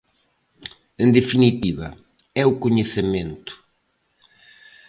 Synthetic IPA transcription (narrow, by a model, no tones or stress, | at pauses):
ẽnd̪efinit̪iβɐ̰ | ɛʊkoɲesemẽnt̪ʊ̥